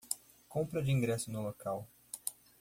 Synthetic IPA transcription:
kõmpɾɐd͡ʒɪĩŋɡɾɛsʊnʊlokaw

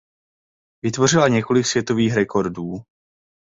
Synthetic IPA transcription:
vɪt̪vo̞r̝ɪlaɲɛko̞lɪksvjɛt̪o̞viːxɾɛkʰo̞ɾduː

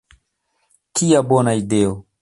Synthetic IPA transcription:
kiabɔnaidɛo

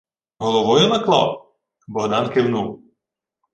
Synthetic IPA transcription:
ɦɔlˠɔʋɔjʊnɐklˠɑ̰w | bɔɦd̪ɑnkɪwnuw

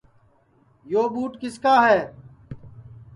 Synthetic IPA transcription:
joːɓuːʈkɪskaːɦɛː

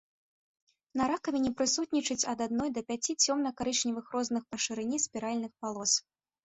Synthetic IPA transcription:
nɐɾakɐvʲɛnʲɛpɾɨsut̪nʲit͡ʂɨt͡sʲɐd̪ad̪nɔjd̪ɐpʲat͡sʲit͡sʲɔmnɐkaɾɨʂnʲivɨxɾɔznɨxpɐʂɨɾɨnʲispʲiɾalʲnɨxpalˠɔs

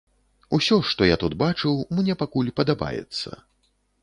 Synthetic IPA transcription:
usʲɔʂt̪ɔjat̪ud̪bat͡ʂɨwmnʲɛpakulʲpɐd̪aba̰jɛ̰t̪sːɐ̰

